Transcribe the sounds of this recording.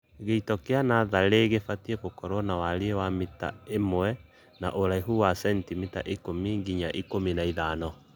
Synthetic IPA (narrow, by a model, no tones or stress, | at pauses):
ɣeitɔkeanaðaɾeɣefatiekokɔɾwɔnawaɾeewamita̰emoɛ | na̰ʔoɾaiɦuwasɛntimita̰ʔikomiŋɡiɲaʔikominaiðaːnɔ